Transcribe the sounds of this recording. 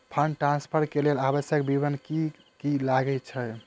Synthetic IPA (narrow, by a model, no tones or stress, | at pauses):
pʰəɳʈɾãnspʰəɾkelelabəsjək̚bibənki | kilaɡɛt͡ʃʰɛ